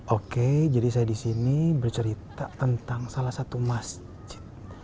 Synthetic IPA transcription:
ʔoked͡ʒadisajadisinibərt͡ʃəɾit̪at̪ənt̪aŋsalahsat̪umas | d͡ʒɪ̥t̪̚

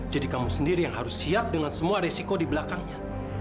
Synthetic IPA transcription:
d͡ʒadikamusəndiɾijaŋɦaɾʊsːiap̚dəŋansəmuaɾesikodibəlakaŋɲa

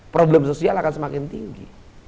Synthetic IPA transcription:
pɾoblɛmsosialakansəmakɪnt̪iŋɡḭ

